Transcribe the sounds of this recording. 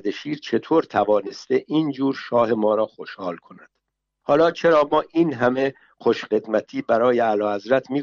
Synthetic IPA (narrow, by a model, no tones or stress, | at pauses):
d̪eʃiːɾt͡ʃʰe̞t̪ʰoːɾt̪ʰævɒːne̞st̪e̞ʔiːnd͡ʒuːɾʃɒːhe̞mɒːɾɒːxo̞ʃhɒːlkʰo̞næd̪̥ | hɒːlɒːt͡ʃʰe̞ɾɒːmɒːʔiːnɦæme̞ | χo̞ʃχe̞d̪mæt̪ʰiːbæɾɒːjeælɒːhæzɾæt̪ʰmiː